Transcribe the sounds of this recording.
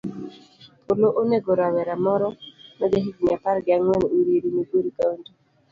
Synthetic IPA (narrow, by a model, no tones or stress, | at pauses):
pʰoloʔoneɡoɾawɛɾamɔɾɔnɛɡeɦiɡɲapaɾɡɪaŋwɛnuɾiɾiniɡoɾikaondi